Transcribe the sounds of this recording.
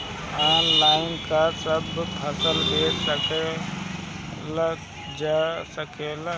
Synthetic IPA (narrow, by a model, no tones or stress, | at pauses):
aːnlaːɪnkasəbp̪ʰɐsəlɦesəke | l | d͡ʒasəkʰel